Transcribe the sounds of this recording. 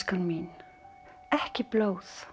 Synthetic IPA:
kəlmiːn | ʔæħkiblowθ

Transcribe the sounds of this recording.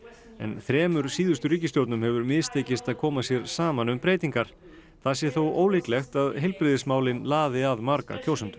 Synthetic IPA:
ɛ̰nθɾɛːmʏɾ̥siːðʏst̪ʏɾriːcɪst̪jowɾt̪nʏmhɛvʏɾmɪðst̪ʰeːjcɪst̪aðkʰɔːmasjɛɾsaːmanʏmpɾeːjt̪iŋkaɾ̥ | θasjɛθowʔoːwliklɛxt̪aðɦɪjlpɾɪðɪsmaːwlɪnlaːðɪaðmaɾka̰kʰowsʏnt̪ʏ̥

